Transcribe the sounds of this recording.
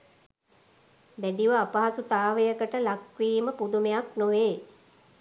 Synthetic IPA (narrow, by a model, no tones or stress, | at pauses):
bæɖiʋəapaɦasut̪aːʋejəkəʈəlakʋiːməpud̪umejaknoʋeː